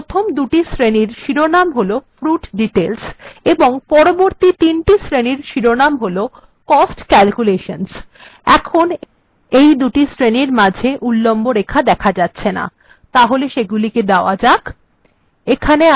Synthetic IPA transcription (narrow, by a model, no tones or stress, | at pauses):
t̪ʰomd̪uʈisɾeniɾʃiɾonamɦolofɾuʈɖiʈelseboŋpɔɾoboɾt̪it̪inʈisɾeniɾʃiɾonamɦolo | kɔsʈkɛlkuleʃonsɛkʰon | ejd̪uʈisɾeniɾmad͡ʑʱeʔulːomboɾekʰad̪ɛkʰad͡ʑatːɕʰena̰ | t̪aɦoleʃeɡuliked̪aoad͡ʑak | ekʰane